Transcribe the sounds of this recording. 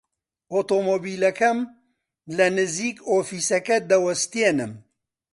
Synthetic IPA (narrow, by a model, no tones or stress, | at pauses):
ʔoːt̪oːmoːbiːlɐkɐm | lɐnɨziːkoːfiːsɐkɐd̪ɐwɐst̪ienɨm